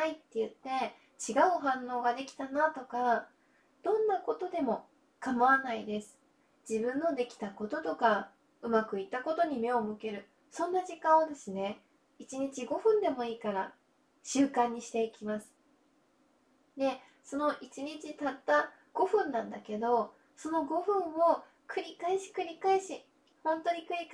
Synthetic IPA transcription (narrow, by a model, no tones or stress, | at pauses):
nait̪ːe̞jɯ̟t̪ːe̞ | t͡ɕiɡaɯ̟ɦãnːo̞ːɡad̪e̞kʲi̥t̪anat̪o̞ka | d̪̥õ̞nːako̞t̪o̞d̪e̞mo̞ | kamaβanaid̪e̞sɨ̥ | d͡ʑibɯ̟̃nːo̞d̪e̞kʲi̥t̪ako̞t̪o̞t̪o̞ka | ɯ̟makɯ̟it̪ako̞t̪o̞ɲ̟ime̞o̞mɯ̟ke̞ɾɯ̟ | sõ̞nːaʑikãod̪e̞sɨne̞ | it͡ɕiɲ̟it͡ɕiɡo̞ɸɯ̟̃nd̪e̞mo̞iːkaɾa | ɕɨːkãɲ̟ːiɕi̥t̪e̞ikʲimasɨ̥ | d̪e̞ | so̞no̞ʔit͡ɕiɲ̟it͡ɕit̪at̪ːa | ɡ̥o̞ɸɯ̟̃nːãnd̪ake̞d̪o̞ | so̞no̞ɡo̞ɸɯ̟̃ɰ̃ːo̞ | kɯ̟ɾʲikaiɕi̥kɯ̟ɾʲikaiɕi | hõ̞nt̪o̞ɲ̟ikɯ̟ɾʲik